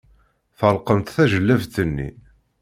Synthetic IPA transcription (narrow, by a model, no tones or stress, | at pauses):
θəlqəmt̪θæʒəlːævt̪ənːḭ